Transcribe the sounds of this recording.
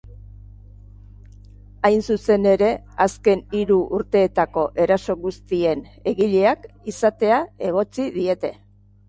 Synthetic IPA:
ajnsuse̞ne̞ɾe̞ | aske̞niɾuʔuɾt̪e̞ːt̪ako̞ʔe̞ɾaso̞ɣust̪ie̞ne̞ɣiʎe̞ak | isat̪e̞ae̞ɣ̞o̞t͡siðie̞t̪e̞

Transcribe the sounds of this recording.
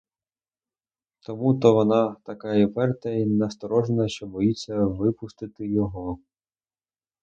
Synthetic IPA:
t̪ɔmut̪ɔʋɔnɑt̪ɐkɑjipɛrt̪ɐinɐst̪ɔɾɔʒenɐʃt͡ʃɔbɔjit͡sʲːɐʋɪpʊst̪ɪt̪ɪjɔɦɔ

